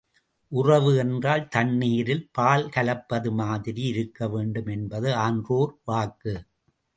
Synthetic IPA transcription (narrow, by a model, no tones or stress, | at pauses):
ʔʊrɐʋɯɛndraːlt̪ɐnːiːɾɪlpaːlkɐlɐpːɐðɯmaːðɪɾiɪɾɯkːɐʋeːɳɖɯmɛnbɐðɯaːndroːɾʋaːkːɯ